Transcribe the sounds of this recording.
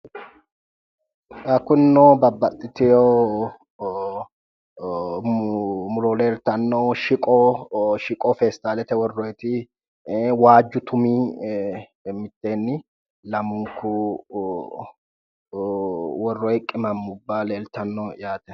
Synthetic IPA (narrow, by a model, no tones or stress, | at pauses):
ɐkːʊnːoːbɐbːɐt̪ʼːɪt̪ɪjoː | mʊɾoːleːlt̪ɐnːoːʃɪkʼɔːʃɪkʼɔfeːst̪aːlɛt̪ɛwɔrːɔɛt̪ɪ | waːd͡ʒːʊt̪ʰʊmiː | mɪt̪ːeːnːɪ | lɐmʊŋkʊ | wɔrːɔɛkʼːɪmɐmːʊbːaleːlt̪ɐnːojaːt̪ɛ̥